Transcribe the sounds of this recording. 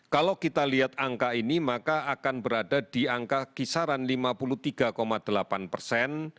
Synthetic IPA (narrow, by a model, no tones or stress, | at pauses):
kalokit̪aliɦat̪̚aŋkainimakaʔakanbəɾadad̥i̤aŋkakisaɾanlimapulut̪iɡ̥akomad̪̥əlapanpərsɛn